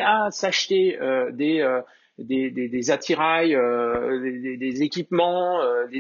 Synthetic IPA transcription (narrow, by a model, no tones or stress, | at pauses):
asaʃt̪eød̪eø | d̪ed̪ed̪ezat̪ʰiʁajød̪ed̪ed̪ezekʲipmɑ̃ød̪e